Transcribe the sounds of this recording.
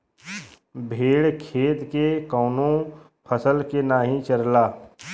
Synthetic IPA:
bʱeːɽkʰeːt̪kekɔːnõ | pʰəsəlkenaːɦĩt͡ʃəɾlaː

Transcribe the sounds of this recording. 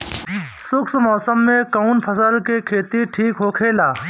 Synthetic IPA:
sʊksmɔːsəmːẽkaʊnpʰəsəlkekʰeːt̪iʈʰiːkɦokʰeːlaː

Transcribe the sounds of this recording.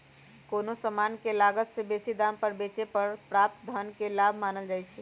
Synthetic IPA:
konosəmankelaɡət̪sebesid̪ampəɾbet͡ʃepəɾpɾap̚t̪̚d̪ʱənkelabʱmaːnəld͡ʒajt͡ʃʰɛ

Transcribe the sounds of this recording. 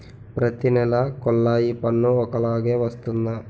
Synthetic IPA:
pɾɐt̪inɛlɐkɔlːaːjipɐnːuɔkɐɭaːɡeʋɐst̪und̪ɐ

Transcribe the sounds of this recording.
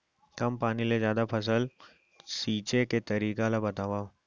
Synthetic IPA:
kɐmpaːnilezjaːd̪apʰɐs̬əl | siːt͡ʃeket̪ɐɾiːkalabɐt̪aːʋa

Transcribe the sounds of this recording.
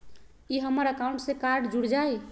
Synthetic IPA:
iɦəmːəɾəkaũɳʈsẽkaɾɖd͡ʒuɽd͡ʒaj

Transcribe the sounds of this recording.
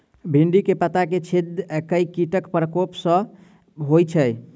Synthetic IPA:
bʱiɳɖikepət̪aket͡ʃʰid̪kəjkiʈəkpɾəkopsə̃ | ɦojt͡ʃʰəj

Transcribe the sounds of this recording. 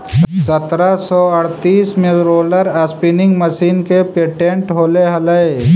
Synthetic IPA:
sət̪ɾasɔɐɽt̪iːsmelɾoːləɾɐspɪnɪ̃ŋɡməʃiːnkepeːʈẽɳʈɦoːleɦɐləe

